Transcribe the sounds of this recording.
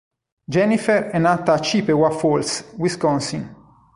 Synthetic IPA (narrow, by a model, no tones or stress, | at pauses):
d͡ʒɛnifɛɾɛnːaːt̪aːt͡ʃipewafolswiskɔnsiŋ